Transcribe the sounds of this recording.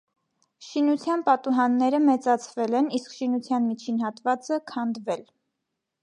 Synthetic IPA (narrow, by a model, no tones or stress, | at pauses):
ʃinut͡sʰjɑnpɑt̪uɦɑnːɛɾəmɛt͡sɑt͡sʰvɛlɛniskʃinut͡sʰjɑnmit͡ʃʰinhɑt̪vɑt͡səkʰɑnd̪vɛl